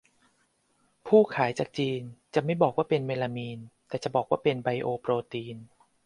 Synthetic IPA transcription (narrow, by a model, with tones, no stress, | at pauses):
pʰuː˥˩kʰaː˩˦jt͡ɕaː˨˩k̚t͡ɕiː˧nt͡ɕa˨˩ma˥˩jbɔː˨˩k̚waː˥˩pe˧nwe˧la˧miː˧nt̪ɛː˨˩t͡ɕa˨˩bɔː˨˩k̚waː˥˩pe˧nba˧jʔoː˧pɾoː˧t̪iː˧n